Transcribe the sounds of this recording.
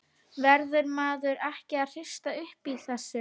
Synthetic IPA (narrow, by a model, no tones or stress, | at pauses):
vɛɾðʏɾmaːðʏɾɛhcɪaðr̥ɪ̥st̪aʏhpiːθɛsːɪ